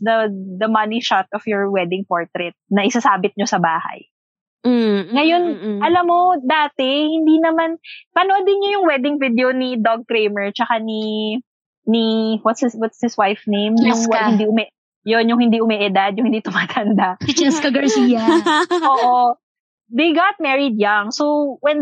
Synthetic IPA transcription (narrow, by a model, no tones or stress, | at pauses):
d̪ɐd̪ɐmɐniʃat̪̚ɔfjɔɹwɛd̪ɪŋpoɹt̪ɾɛt̪̚nɐʔɪsasaːbɪt̪̚ɲo̞sɐbaːhɐ̰j | ŋɐjo̞nʔɐlamːo̞d̪aːt̪ɛhɪnd̪inɐmanpɐnod̪ɪnɲojʊŋwɛd̪ɪŋvid̪ɛonid̪oɡ̚kɾejmɛɹt͡ʃɐkani | niwɐt̪swɐt̪shɪswajfnejmjʊŋhɪnd̪iʊmɛ | jonjʊŋhɪnd̪iʔʊmɛʔɛd̪ad̪̚jʊŋhɪnd̪it̪ʊmaːt̪ʰɐnd̪at͡ʃɐskɐɡɐɹsiːjɐoːʔo | d̪ejɡat̪̚mɛɹɪd̪̚jaŋsowwɛn